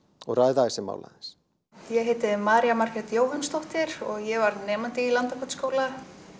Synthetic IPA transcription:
ɔɣraːjðaɪsɛma̰wla̰ðɪns | jɛɦejt̪ɪðmaːɾiamaɾ̥kɛt̪joːwɦanst̪ɔht̪ɪɾɔɣjɛvaɾðnɛːmant̪ɪilant̪akʰɔt̪skoːwla

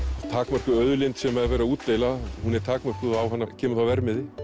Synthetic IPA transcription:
t̪ʰaːkmœr̥kʏœðʏlejnt̪sɛmɛðvɛːjɾauːt̪leːjlahunɛɾ̥t̪ʰaːkmœr̥kʏðawɦanːacʰɛːmʏθawvɛɾmɪðɪ

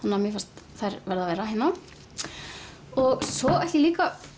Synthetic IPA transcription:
hanːamjɛfast̪θajɾvɛɾðavɛːɾaɦenːa | ɔɣsɔɛjht̪ɪliːka

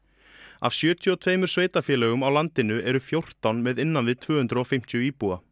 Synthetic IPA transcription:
a̰v̥sjœːt̪ʰjʏɔt̪ʰveːjmʏɾ̥sveːjt̪afjɛːlɛɣʏmawlant̪ɪnʏɛɾʏfjowr̥t̪awnmɛðɪnːanvɪðt̪ʰv̥œːhʏnt̪ɾʏɔfɪjm̥t̪ʰjʏiːpua̰

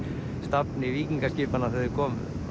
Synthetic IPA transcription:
st̪apnɪviːciŋkascɪːpanaθœðʏɾkʰɔːmʏ̰

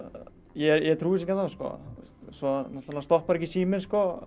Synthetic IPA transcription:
jɛɾjɛt̪ʰɾuːɪs̬ɛcɛnθaskɔ̰θust̪sɔnɔt̪alast̪ɔhpaɾɛcisiːmɪnskɔ

